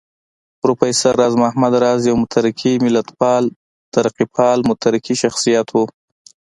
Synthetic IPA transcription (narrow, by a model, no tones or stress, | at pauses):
pɾupajsaɾːɑzmahmad̪ɾɑzjawmʊt̪ʰaɾɪkʰimɪlat̪pɑl | t̪aɾaqipʰɑlmʊt̪ʰaɾɪkiʃaxsijat̪ʰwu